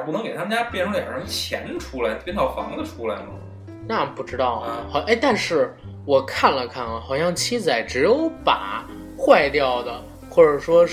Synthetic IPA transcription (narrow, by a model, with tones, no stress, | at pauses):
pu˥˩n˧˥ŋke˨˩t̪ʰa˥m˧nt͡ɕja˥pjnʈ͡ʂʰɤ˧˥ŋljɑ̰˨˩ɤ˧˥˩t͡ɕʰjɛ̰˧˥nʈ͡ʂʰu˥la˧˥ɪpjɛ˥nt̪ʰɑ˥˩ʊfɑ̰˧˥ŋd̪ə˧ʈ͡ʂʰu˥la˧˥ɪmə˧˩ | na˥˩pu˥˩ʈ͡ʂɻ̩˥t̪ɑ˥˩ʊxʊʔe˥ɪt̪a˥˧nʂɻ̩˥˩ | wɔ˨˩kʰa˥˩nlə˩kʰa˥˩nlə˩xɑ˨˩ʊɕjɑ˥˩ŋt͡ɕʰi˥t͡sa˨˩ɪʈ͡ʂɻ̩˧˥jo˧˥ʊpa̰˨˩˦ | xwa˥˧ɪt̪jɑ˥˩ʊd̪ə˩ | xwɔ˥˩ʈ͡ʂə˨˩ʂwɔ˥